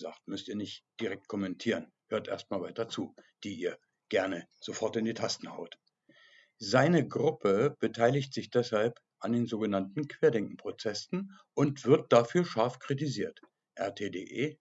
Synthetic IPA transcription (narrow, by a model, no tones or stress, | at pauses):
za̰ːχtmʏstiːɐnɪçtd̥iʁɛk̚t̚kʰɔmɛntʰiːʁən | høːɐtʔḛːɐst̚maːlvaɪtɐt͡suːd̥iːʔiːɐ | ɡ̥ɛɐnəz̥ofɔɐtɪndiːtʰastn̩ha̰ʊt | zaɪnəɡʁʊpʰəb̥ətʰaɪlɪçtz̥ɪçd̥ɛshalp | ʔandeːnzoːɡənantn̩kv̥eːɐdɛŋkŋ̩pʁ̥ot͡sɛsn̩ | ʔʊntv̥ɪɐt̚d̥afyːɐʃaɐfkʁ̥it̬iziːɐt | ʔɛ̰ɐtʰeːdeːʔeː